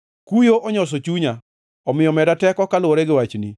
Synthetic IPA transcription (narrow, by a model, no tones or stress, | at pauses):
kujoʔɔɲɔs̬ot͡ʃuɲa | ɔmɪjɔmɛdatɛkɔkalʊoɾɛɡɪwat͡ʃni